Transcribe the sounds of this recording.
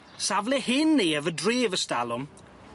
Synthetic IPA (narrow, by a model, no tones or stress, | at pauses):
savlɪhɪnːiːəvədreːvəstalˠʊm